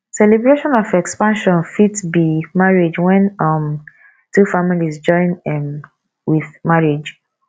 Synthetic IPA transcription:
sɛlɛbɹeʃɔ̃nɔfɛkspãnʃɔ̃nfitbimaɹid͡ʒwɛ̃nɔm | tufamilisd͡ʒɔ̃ɪ̃nɛm | wiðmaɹid͡ʒ

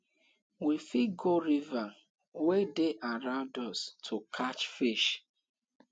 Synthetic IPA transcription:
wĩfiɡoɾiva | wedeʔãnɾãʊdɔstʰokʰat͡ʃfiʃ

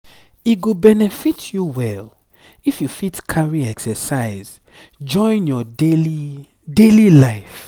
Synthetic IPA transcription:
iɡobɛnɛfitʰjuwɛl | ifjufitkʰaɹiɛksɛsaɪz̥ | d͡ʒɔ̃ɪ̃njɔdeli | delilaɪf

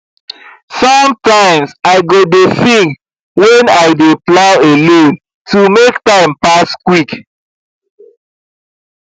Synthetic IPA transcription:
sɔmtãɪ̃msaɪɡɔdeθĩŋ | wɛ̃naɪdeplaʊelõn | tʰumektãɪ̃mpaskwik

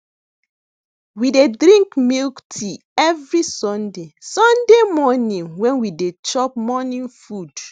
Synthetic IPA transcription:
widedɹĩŋkmilktʰi | ɛvɹisɔ̃ndesɔ̃ndemɔnĩnwɛ̃nwidet͡ʃɔp̚mɔnĩnfud̥

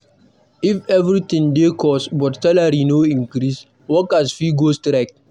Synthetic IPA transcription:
ifɛvɾit̪ɪ̃ŋdekʰɔsbɔtsɛlaɾinoĩŋkɾis | wɔkasfiɡostɾak̚t

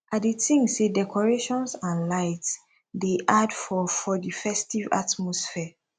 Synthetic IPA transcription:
ʔaditĩŋsedɛkʰɔɹeʃɔ̃nsãnlaɪts | deʔadfɔfɔdifɛstiva̰tmɔsfɛ

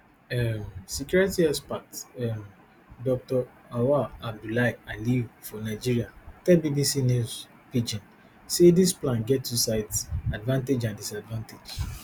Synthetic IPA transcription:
ɛmsikjɔɹitiɛspak̚tɛm | dɔk̚tɔ | awaad͡ʒulaɪalivfɔnaɪd͡ʒiɹiatɛbibisiniz | pid͡ʒɔ̃n | sedisplãnɡɛtːusaɪdadvãnted͡ʒãndisadvãnted͡ʒ

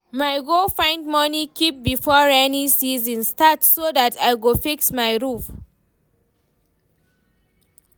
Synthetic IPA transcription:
majɡofãɪ̃ndmɔnikʰip̚bifɔɹɛnĩsizɔ̃nstatsoðatʰajɡofiksmajɹuf

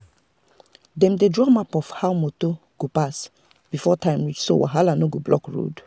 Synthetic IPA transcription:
dɛ̃mdedɹɔmapɔfhawmoto | ɡ̥opas | b̥ifɔtʰãɪ̃mɹit͡ʃso̰wʔa̰ɦalanoɡoblɔ̰kɹṵd

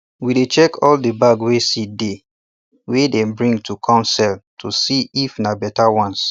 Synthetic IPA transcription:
widet͡ʃɛkʰɔldəbaɡweside | wedɛ̃mbɹĩŋɡtʰukʰãnsɛltʰusiifnabɛtawɔ̃ns

